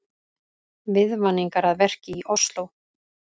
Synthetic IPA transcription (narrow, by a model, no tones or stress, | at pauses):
vɪðvanːiŋkaɾaðvɛr̥cɪiʔɔst̪low